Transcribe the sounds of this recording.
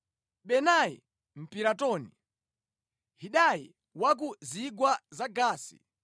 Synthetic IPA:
ɓɛnajḭ | m̩piɾatɔni | ɦiɗajḭ | wak̬uziɡwazaɡaːsḭ

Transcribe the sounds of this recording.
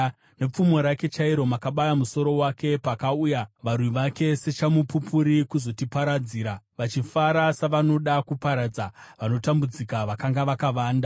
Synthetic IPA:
ne̞p͡fumo̞ɾake̞t͡ʃaiɾo̞makaɓajamuso̞ɾo̞wake̞pakaujaʋarwiʋake̞se̞t͡ʃamupupʰuɾikuzo̞tipaɾad͡ziːɾaʋat͡ʃifaɾasaʋano̞ɗakupaɾad͡zaʋano̞tambud͡zikaʋakaŋɡaʋakaʋaːnda

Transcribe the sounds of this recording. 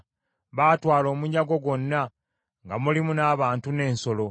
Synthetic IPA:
βaːtwaːlo̞ːmuɲːaɡo̞ɡwo̞nːa | ŋɡamulimunaːβaːntune̞ːnso̞lo̞

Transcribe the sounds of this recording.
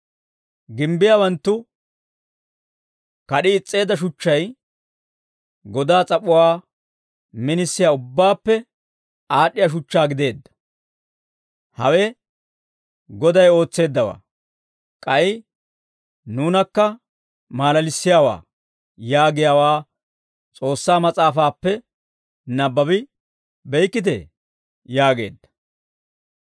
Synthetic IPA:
ɡɪmbɪjawɐnt̪ːʊ | kɐɗɪːt͡sʼːe̞ːd̪ːɐʃ̬ʊt͡ʃːɐj | ɡɔd̪aːt͡sʼɐpːʊwaː | mɪnɪsːɪjaːʊbːaːpːɛ | aːɗːɪjaʃ̬ʊt͡ʃːaːɡɪd̪e̞ːd̪ːɐ̥ | hɐwɛ | ɡɔd̪ɐjo̞ːt͡sːe̞ːd̪ːɐwa̰ː | kʼɐʔɪ | nuːnɐkːɐ | maːlɐlɪsːɪjaːwa̰ː | jaːɡɪjaːwaː | t͡sʼo̞ːsːaːmɐt͡sʼaːfaːpːɛ | nɐbːɐbɪ | bɛjkːɪt̪̬ḛ | jaːɡe̞̰ːd̪ːɐ̥

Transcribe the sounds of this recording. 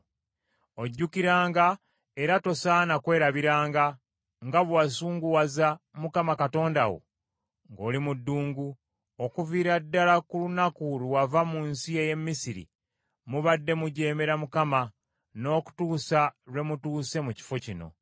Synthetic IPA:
oɟːukiɾaːŋɡa | eɾato̞saːnakwe̞ːɾaβiɾaːŋɡa | ŋɡaβwasuːŋɡuwaza | mukamakato̞ːnda̰wo̞̰ | ŋɡo̞̰ːlimudːuːŋɡu | okuviːɾadːalakulunakuluwavamuːnsie̞je̞mːisiɾḭ | muβadːe̞muɟe̞ːme̞ɾamukama | no̞ːku̥tuːsaɾwe̞mutuːse̞muci̥fo̞cino̞̰

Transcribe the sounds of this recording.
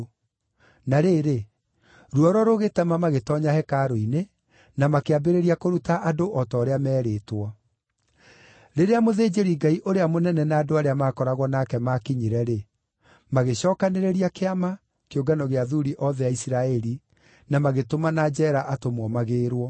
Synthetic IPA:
naɾeːɾe | ɾuɔɾɔɾoɣetɛmamaɣetɔɲahɛkaːɾoine | namakeabeɾeɾiakoɾutaʔadoʔɔtɔːɾeamɛːɾeːtwɔ | ɾeɾeamoðeːd͡ʑeɾiɡaiʔoɾeamonɛnɛnaːdoaɾeamaːkɔɾaɣwɔnakɛmakiɲiɾɛɾe | maɣeɕɔːkaneɾeɾiakeama | keoɡanɔɣeaðuɾiʔɔðɛjaisiɾaɛɾi | namaɣetomanad͡ʒɛɾaʔatomwɔmaɣeːɾwɔ

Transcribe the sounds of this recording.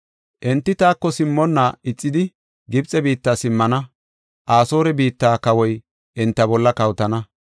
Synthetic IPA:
ʔɛnt̪ːɪt̪aːkːɔsɪmːɔnːaɪt͡sʼːɪd̪ɪ | ɡɪbt͡sʼɛbiːt̪ːaːsɪmːɐnɐ | ʔaːso̞ːɾɛbiːt̪ːaːkɐwɔj | ʔɛnt̪ːɐbɔlːɐkɐwt̪ɐnɐ

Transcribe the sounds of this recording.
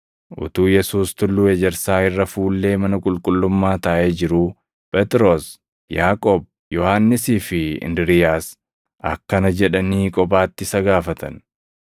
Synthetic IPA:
ʔʊ̰t̪uːjɛsuːst̪ʊlːuːɛd͡ʒɛɾsaːɪrːɐfuːlːe̞ːmɐnɐkʼʊlkʼʊlːʊmːaːt̪ɐʔeːd͡ʒɪɾuː | pʼɛt̪ɪɾoːs | jaːkʼoːb̚ | jɔhaːnːɪsiːfɪɪ̰nd̪ɪɾɪjaːs | ɐ̰kːɐnɐd͡ʒɛᶑɐniːkʼɔbaːt̪ːɪsɐɡaːfɐt̪ʰɐ̰n

